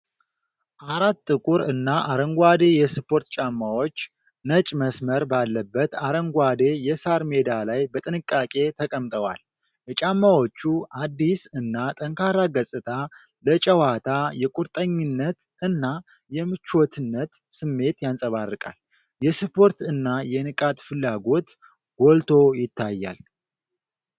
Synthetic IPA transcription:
ʔaɾat̪ʼːɨkʼuɾɨnːaʔaɾəŋɡʷad̪e̞jɛspʰo̞ɾt̪t͡ʃʼamːawo̞t͡ʃː | nət͡ʃʼməsməɾbalːəbːət̪aɾəŋɡʷad̪e̞jɛsaɾme̞d̪alajbət̪ʼɨnɨkʼːakʼe̞t̪ʰəkʼəmt̪ʼəwa̰l | jɛt͡ʃʼamːawo̞t͡ʃːuʔad̪ːisɨnːat̪ʼəŋkʰaɾaɡəsʼɨt̪ʰa | lət͡ʃʼəwat̪ʰajɛkʼuɾt̪ʼəɲːɨnːət̪ | ɨnːa | jɛmɨt͡ʃːwot̪ʰɨnːət̪ | sɨmːe̞t̪jansʼəβarːɨkʼa̰l | jɛspʰo̞ɾt̪ɨnːajɛnɨkʼat̪ʼfɨlːaɡo̞t̪ | ɡɔlt̪ʰo̞jɪt̪ːajːa̰l

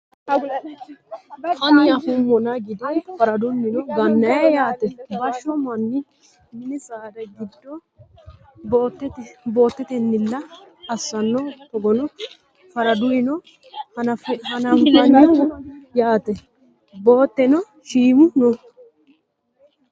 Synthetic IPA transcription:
kɐnɪjahʊmːɔnɐɡɪd̪ɪfɐɾɐd̪ʊnːɪnɔɡɐnːɐjɛjaːt̪ɛbɐʃːɔmɐnːɪ | mɪnɪsaːd̪ɐjɡɪd̪ːɔ | bt̪ːtbo̞ːt̪ːɛt̪ɛnːɪlːɐ | ɐsːɐnːɔpːɔɡɔnɔ | fɐɾɐd̪ʊjɪnɔ | fhɐnɐŋkɐn | jaːt̪ɛ | bo̞ːt̪ːɛnɔ | ʃiːmʊnɔ

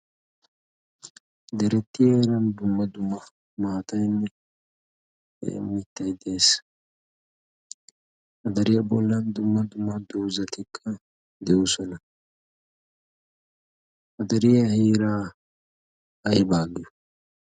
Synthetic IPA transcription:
d̪ɛɾɛt̪ːɪheːɾɐnd̪ʊmːɐd̪ʊmːɐ | maːt̪ɐjnːɛ | mɪt̪ːɐjd̪e̞ːs | ʔɐd̪ɐɾɪjɐbɔlːɐnd̪ʊmːɐd̪ʊmːɐd̪uwzɐt̪ɪkʰːɐ | d̪ɛʔusɔnɐ | ʔɐd̪ɐɾɪjɐheːɾaː | ɐjbaːɡɪjʊ

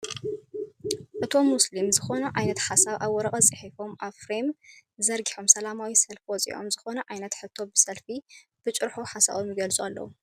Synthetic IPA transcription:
ʔɨt̪ʰo̞mːuslimzɨxo̞nɐʕajnɐt̪ħasaβʔaβːɔɾɐχʼɐt͡sʼɨħifo̞mʔaβfɾemzɐɾɡiħo̞msɐlamawisɐlfwɔt͡sʼḭʔo̞̰mzɨxo̞nɐʕajnɐt̪ħɨt̪ʰːo̞bɨsɐlfib̥ɨt͡ʃʼɨɾħuħasa̰βomjɪɡɐlt͡sʼualːɐ̰wu

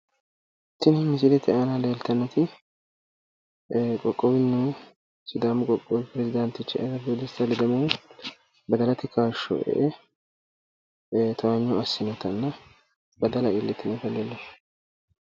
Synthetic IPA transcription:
t̪ːɪnɪmɪs̬ɪd̪ɛt̪ɪʔanaleːlt̪ɐnːɛt̪ɪ | kʼɔkʼːɔbɪnːu | sɪd̪amʊkʼɔkʼːɔbɪpɪɾɛzɪd̪ɐnt̪ɪt͡ʃːɪʔɐɾɐbod̪ɪst̪ɐlɪd̪ɐmɐw | bɐd̪ɐlɐt̪ɪkaːʃːɔ̰ʔɛ̰ʔɛ | t̪ʰɐwɐɲːɔɐsːɪnɔt̪ɐnːɐ | bɐd̪ɐlɐʔɪlːɪt̪ːɪnɛt̪ɐlelːe

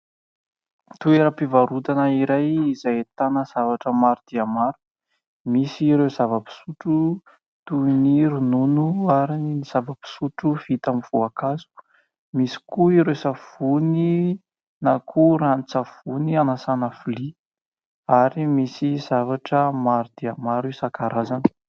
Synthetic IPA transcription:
t̪ueɾəpivaɾud̪anəiɾajizajt̪anəz̥avaʈ͡ʂəmaɾud̪̥iamaɾu̥ | misiɾewzavəpi̥suʈ͡ʂu | t̪uiniɾununuaɾiniiz̥avəpi̥suʈ͡ʂuv̥it̪amiv̥uakazu̥ | misi̥kuiɾewsav̥uni | nakʰuɾanit͡safunianasanafuli | aɾimisiz̥avaʈ͡ʂəmaɾud̪iamaɾisakaɾazanə̥

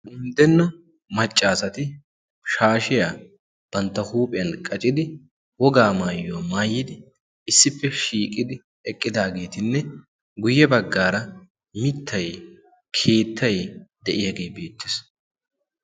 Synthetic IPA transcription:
ɡʊnd̪ɛnːɐ | mɐt͡ʃʼːaːsɐt̪ɪ | ʃaːʃɪja | b̥ɐnt̪ːɐhuːpʼɪjɐnkʼɐt͡ʃʼɪd̪ɪ | wɔɡaːmaːjːomaːjːɪd̪ɪ | ɪsːɪpːɛʃiːkʼɪd̪ɪ | ɛkʼːɪd̪aːɡe̞ːt̪ɪnːɛ | ɡʊjːɛbɐɡːaːɾɐ | mɪt̪ʰːɐj | kʰe̞ːt̪ʰːɐjd̪̥ɛʔɪjaɡe̞ːbe̞ːt̪ːɪs

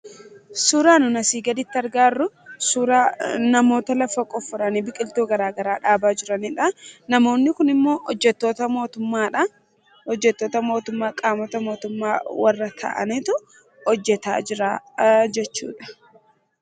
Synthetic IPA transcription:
suɾaːnʊnɐsiːɡɐd̪ɪt̪ːɪɐɾɡaːrːʊ | suɾaːnɐmo̞ːt̪ɐlɐfɐkʼɔfːʊɾɐnibɪkʼɪlt̪uːɡɐɾaːɡɐɾaːᶑaːbaːd͡ʒɪɾɐnɪᶑɐnɐmo̞ːnːɪkʊnɪmːo̞ːʔɔd͡ʒːɛt̪ːo̞ːt̪ɐmoːt̪ʊmːaːᶑɐ | ɔd͡ʒːɛt̪ːoːt̪ɐmo̞ːt̪ʊmːaːkʼaːmɔt̪ɐmo̞ːt̪ʊmːaːwɐrːɐt̪ʰɐ̰ʔɐ̰nit̪ʊ | ɔd͡ʒːɛt̪a̰ːɪɾaːd͡ʒɛt͡ʃːṵːᶑɐ̥

